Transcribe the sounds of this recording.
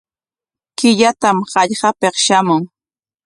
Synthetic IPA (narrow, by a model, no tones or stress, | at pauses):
kɪʎat̪amɢɑʎɢɑpeχʃamʊŋ